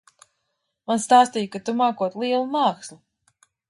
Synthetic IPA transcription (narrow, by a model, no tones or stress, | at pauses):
manst̪aːst̪ijkat̪umaːkuɔt̪lˠiɛlˠumaːkslu